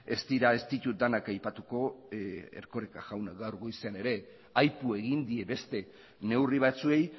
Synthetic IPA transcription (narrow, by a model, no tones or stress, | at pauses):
e̞st̪iɾae̞st̪it̪ut̪̚d̪anakajpat̪uko̞ | ḛɾko̞ɾekaʝawnaɡawɾɣojseane̞ɾe̞ | ajpue̞ɣ̞ind̪ie̞βe̞st̪e̞ | ne̞wriβ̞at͡sue̞j